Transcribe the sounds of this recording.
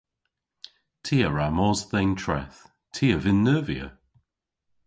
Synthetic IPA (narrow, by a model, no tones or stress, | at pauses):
tʰiːəɹamɔːzðɛntʰɹɛ̰θ | tʰiːəvɪnːəːviə̰